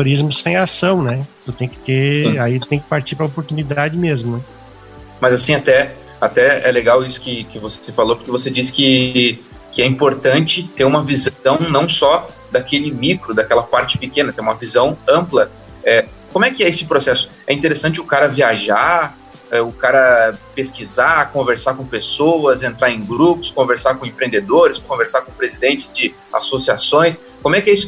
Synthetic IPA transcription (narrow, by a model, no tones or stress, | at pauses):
oɾizmʊsẽj̃asɐ̃w̃nɛt̪ʊt̪ẽj̃kɪ̥t̪eɾait̪t̪ẽj̃kɪ̥paɾt͡ʃiɾpɾɐopoɾt̪unid̪ad͡ʒɪmezmʊnɛ | mɐzasĩat̪ɛ | at̪ɛɛ̰leɡawisʊ̥kɪkɪvose̥sɪfalopʊɾkɪvosed͡ʒisɪ̥kɪ | kɪɛĩmpoɾt̪ɐ̃nt͡ʃɪt̪eɾũmɐvizɐ̃w̃w̃nɐ̃w̃sɔ | d̪akelɪmikɾʊd̪akɛlɐpaɾt͡ʃɪ̥pɪkẽnɐt̪ẽumɐvizɐ̃w̃ɐ̃mplɐ | ɛ | kõmʊɛkɪɛesɪpɾosɛsʊ̥ | ɛĩnt̪eɾesɐ̃t͡ʃɪʊkaɾɐviaʒa | ɛʊkaɾɐpeskizakõveɾsakõpesoɐzẽnt̪ɾaɾẽɡɾupʊ̥skõveɾsakõẽpɾẽnd̪ed̪oɾɪskõveɾsakõpɾezid̪ẽnt͡ʃɪ̥zd͡ʒɪ | a̰sosiasõj̃s | kõmʊɛkɪɛisʊ